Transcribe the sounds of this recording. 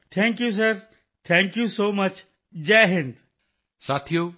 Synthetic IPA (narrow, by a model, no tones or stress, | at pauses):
t̪ʰɛ̃ːŋkjus̬əɾ | t̪ʰɛ̃ŋkjusoːmɐt͡ʃ | d͡ʒɛɦɪ̃nd̪ | saːt̪ʰijoː